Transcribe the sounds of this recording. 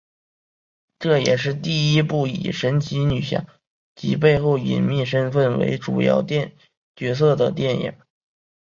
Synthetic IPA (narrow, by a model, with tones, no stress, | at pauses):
ʈ͡ʂɤ˥˩jɛ˨˩ʂɻ̩˥˧t̪i˥˩i˥pu˥˩ḭ˨˩ʂə˧˥nt͡ɕʰi˧˥ny˨˩ɕjɑ̰˥˩ | t͡ɕḭ˧˥p̬e˥˧ɪxo˥˩ʊḭ˨˩nmi˥˩ʂə˥nfə˥˩nwḛ˧˥ɪʈ͡ʂu˨˩jɑ̰˥˧ʊt̪jɛ˥˧n | t͡ɕɥɛ˧˥s̬ɤ˥˩d̪ə˩t̪jɛ˥˩njɛ̰˨˩˦